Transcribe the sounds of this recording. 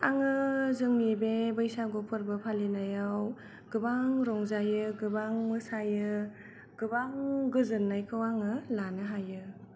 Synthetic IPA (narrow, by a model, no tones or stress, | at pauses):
aŋɯzɯŋnibebɯjsaɡopʰɯɾbɯpʰalinajaw | ɡɯbaŋɾɔŋzajɯɡɯbaŋmɯsajɯ | ɡ̥ɯbaŋɡɯzɯnːajkʰɯwaŋɯlanɯɦajɯ